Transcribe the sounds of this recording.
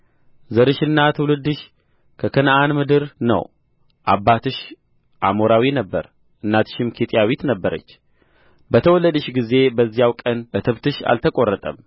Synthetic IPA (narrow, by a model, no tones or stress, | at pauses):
zəɾɨʃɨnːat̪ʰɨwlɨd̪ːɨʃ | kʰəkʰənʔanmɨd̪ɨɾnə̰w | ʔa̰bːat̪ʰɨʃ | ʔa̰moɾawinəbːə̰ɾ | ʔɨnːat̪ʰɨ̥ʃɪmkʰit̪ʼijawit̪nəbːəɾə̰t͡ʃː | bət̪ʰəwɔlːəd̪ɨʃɡize̞bəzːijawkʼənʔɨt̪ʰɨβt̪ʰɨʃa̰lt̪ʰəkʼo̞rːət̪ʼə̰m